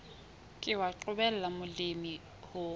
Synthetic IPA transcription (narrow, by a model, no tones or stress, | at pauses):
kʼɪwaǃʊbɛl̩lamʊlɪmi | hʊ